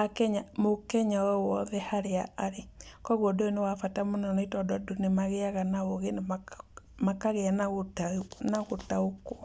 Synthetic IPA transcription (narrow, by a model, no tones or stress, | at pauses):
akɛɲamokɛɲawɛwɔðɛhaɾeaaɾekɔɣodoenewafatamonɔnɔitɔdɔdonemaɣeaɣanaoɣenmmakaɣeanaoanaɣotaoko̥